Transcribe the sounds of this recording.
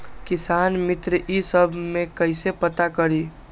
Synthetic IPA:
kɪsaːnmɪt̪ɾəʔisəbʱmẽkəɪsepət̪akəɾi

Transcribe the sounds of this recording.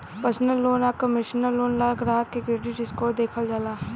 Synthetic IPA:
pəɾsənəlːoːnaːkəmɪʃənəlːoːnlaːɡɾaːɦkekɾeːɖiʈɪskoːd̪eːkʰəld͡ʒalaː

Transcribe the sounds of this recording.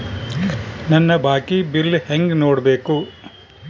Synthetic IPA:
nɐnːɐbʱaːkibilːheŋɡnoːɽbe̞ːku

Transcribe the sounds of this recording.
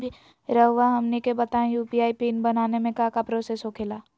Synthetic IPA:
bʱi | ɾəɦʋaɦɐmnikebɐt̪aẽjuːpiaːipiːnbɐnaːnemẽkakapɾoːsesɦokʰeːlaː

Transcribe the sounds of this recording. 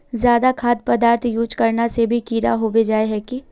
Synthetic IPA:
zjaːd̪akʰaːd̪̚pɐd̪aːɾt̪ʰjuːt͡ʃkɐɾnasebʱikiːɾa̰ɦobed͡ʒaːeɦɛki

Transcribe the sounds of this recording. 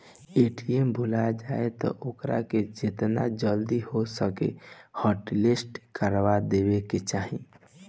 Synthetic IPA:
eʈiembʱulad͡ʒaet̪ɔ̰ʔokɾa̰ked͡ʒet̪na̰d͡ʒəld̪ihosəkḛhɔʈlesʈkəɾʋad̪ebeket͡ʃaɦĩ

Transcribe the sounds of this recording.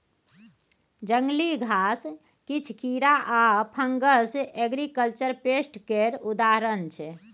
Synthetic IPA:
d͡ʒəŋɡliɡʱas | kit͡ʃʰkiɾaʔapʰəŋɡəseɡɾikəlt͡ʃəɾpesʈkeɾud̪aɾənt͡ʃʰɛ

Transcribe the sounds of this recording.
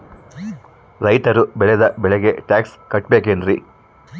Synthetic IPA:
ɾɐjt̪ɐɾubɛɭed̪ɐbɛɭeɡe̞ʈaːkskɐʈbeːkendɾi

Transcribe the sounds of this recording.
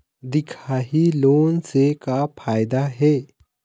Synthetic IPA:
d̪ikʰaɦilonsekafʰajd̪aɦe

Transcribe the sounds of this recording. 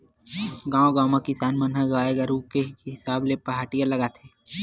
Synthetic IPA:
ɡãːoɡãːmãkɪsaːnmɐnɦəɡaːeɡəɾukekɪɦɪsaːblepɐɦaːʈijalɐɡat̪ʰeː

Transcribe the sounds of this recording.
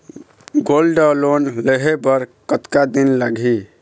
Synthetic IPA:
ɡolɖəlonləɦebəɾkət̪kad̪inlaɡʱi

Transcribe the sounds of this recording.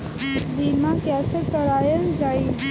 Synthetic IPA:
d̪imãkjaːsət̪kɐɾaːjənd͡ʒaːi

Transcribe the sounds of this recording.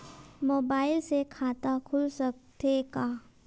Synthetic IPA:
moːbaːɪlsekʰaːt̪akʰʊlsək̚t̪ekaː

